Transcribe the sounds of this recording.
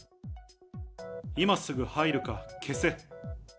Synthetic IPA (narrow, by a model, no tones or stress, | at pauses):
imasɨɡɯ̟haiɾɯ̟kakʰe̞se̞